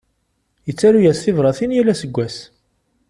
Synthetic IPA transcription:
jət͡sːæɾujæsθɪvɾˤɑθinjælæsəɡʷːæs

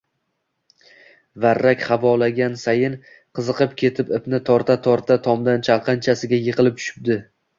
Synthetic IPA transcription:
vaɾːakʲχavɒlaɡʲansajɪn | qʰɨzɨqɨpkʲʰe̞t̪ʰɪpɪpnɪt̪ʰɒɾt̪ʰat̪ʰɒɾt̪ʰat̪ʰɒmd̪ant͡ʃʰalˠqʰɑnt͡ʃʰasɪɡʲajɨqʰɨlˠɪp̚t͡ʃ̪ʰʊ̥ʃɪ̥p̚d̪ɪ

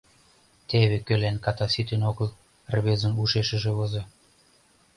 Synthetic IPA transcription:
t̪eβĕkølænkɑt̪ɑsit̪enoɣəl | rβezə̆nuʃeʃə̆ʒĕβoze

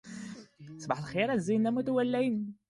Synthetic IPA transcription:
sˤbɑħəlxiɾˤæzːinːæmut̪æwælːæjn

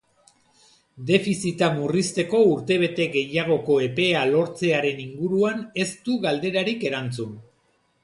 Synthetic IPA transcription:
d̪e̞fisit̪amurist̪e̞ko̞uɾt̪e̞β̞e̞t̪e̞ɡe̞jaɣ̞o̞ko̞e̞pe̞alo̞ɾt͡se̞aɾe̞niŋɡuɾuane̞st̪uɣald̪e̞ɾaɾike̞ɾant͡sun

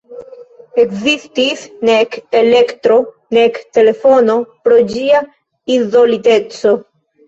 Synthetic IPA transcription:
e̞kzistisnekele̞ktɾo̞ | nekte̞le̞fo̞no̞pɾo̞d͡ʒia | izolitet͡so̞

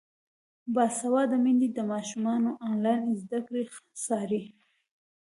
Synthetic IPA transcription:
bɑsawɑd̪əmind̪id̪əmɑʃumɑnoʔɑnlɑjnzd̪akɽexsɑɾi

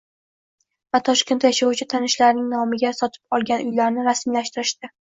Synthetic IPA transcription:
vat̪ʰɒʃk̞ʲnt̪jaʃawt͡ʃʰɪt̪ʰanɪʃlaɾnɪŋnɒmɪɡʲasɒt̪ʰɪ̥pɒlˠɡʲanʊjlaɾnɪɾasmilaʃt̪ɪɾɪʃt̪ɪ

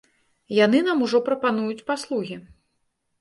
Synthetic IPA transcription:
jan̪ɨnamuʐɔpɾɐpanujut͡sʲpaslˠuɣʲi

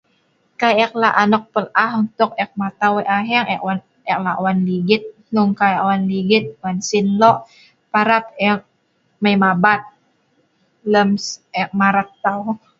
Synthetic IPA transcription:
kajɛk̚laʔanɔk̚pəlaɦunt̪ʊk̚ɛk̚mat̪aweʔaɦɛŋɛʔwan | ɛklawanliɡɪt̪̚ | uŋkawanliɡɪt̪̚wansinlɔʔ | paɾap̚ɛk̚ | majmabat̪̚ | ləmsɛk̚maɾat̪ːaw

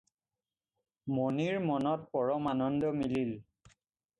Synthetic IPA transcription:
moniɹmɔnɔt̚pɔɹɔmanɔndɔmilil

